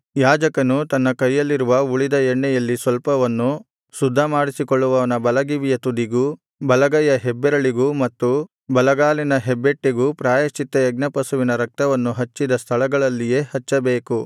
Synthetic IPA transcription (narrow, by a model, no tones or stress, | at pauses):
jaːd͡ʒɐkɐnut̪ɐnːɐkɐjːɐlːiɾuʋɐuɭid̪ɐɛɳːɛjɐlːisʋɐlpɐʋɐnːu | sud̪ʱːɐmaːɽisikoɭːuʋɐʋɐnɐbɐlɐɡiʋijɐt̪ud̪iɡu | bɐlɐɡɐjɐɦebːɛɾɐɭiɡumɐt̪ːu | bɐlɐɡaːlinɐɦebːe̞ʈːiɡupɾaːjɐt͡ʃit̪ːɐjɐɡ̚nɐpɐsuʋinɐɾɐk̚t̪ɐʋɐnːuɦɐt͡ʃːid̪ɐst̪ʰɐɭɐɡɐɭɐlːije̞ːhɐt͡ʃːɐbeːku